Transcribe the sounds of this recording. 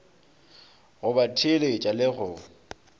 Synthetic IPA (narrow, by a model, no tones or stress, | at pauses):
ɣʊbatʰelet͡ʃʼalɪɣʊ